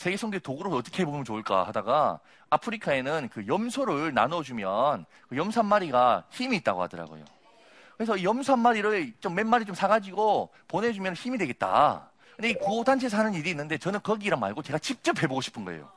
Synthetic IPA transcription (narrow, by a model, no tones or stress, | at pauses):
seɡesʰoŋɡetoɡɯɾoʌt͈ʌkʰeɦebomɯnt͡ɕoɭk͈a̰hadaɡa | apʰɯɾikʰae̞nɯnkɯjʌmsʰoɾɯɭna̰nʌd͡ʑumjʌn | kɯjʌmsʰanːaɾiɡaçimiːt̚t͈aɡo̰ha̰dʌɾa̰ɡo̰jo̰ | kɯɾesʰʌijʌmsʰanmaɾiɾɯɭt͡ɕomːe̞nmaɾit͡ɕomsʰaɡad͡ʑiɡo | ponɦed͡ʑumjʌnçimidwe̞ɡe̞t̚t͈a̰ | kɯndekuotant͡ɕʰes̬ʰanɯniɾiːnːɯnde̞t͡ɕʌnɯnkʌɡiɾama̰ɭɡot͡ɕe̞ɡat͡ɕip̚t͡ɕ͈ʌpʰe̞boɡoɕʰi̥pʰɯnɡʌḛjo̰